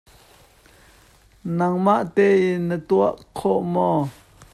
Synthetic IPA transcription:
nɐŋmaʔt̪ɛinət̪uaʔkʰɔʔmɔ

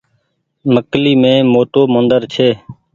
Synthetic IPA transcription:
məkliːmẽːmoːʈoːmənd̪əɾt͡ʃʰeː

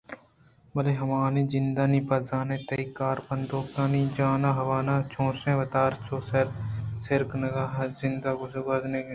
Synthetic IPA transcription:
bɐleːɦɐmaːniːzɪnd̪aːniːpɐzaːnẽːt̪ɐikaːɾbɐ̃nd̪oːkanĩːd͡ʒaːnaːɦɐʋaːnaːt͡ʃʰõːsẽːʋɐt̪aːɾt͡ʃoːsɐɾsɪɾknɐɡaːzɪ̃nd̪aːɡosbɐzneːɡe

